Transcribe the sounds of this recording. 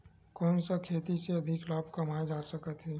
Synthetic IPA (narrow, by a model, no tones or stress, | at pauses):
kɔːnsakʰeːt̪iseɐd̪ʱɪklaːbkɐmaːd͡ʒaːsəkət̪ɦɛː